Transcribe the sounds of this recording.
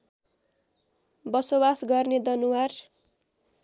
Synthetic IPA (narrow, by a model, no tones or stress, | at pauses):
bʌsobasɡʌrned̪ʌnuwar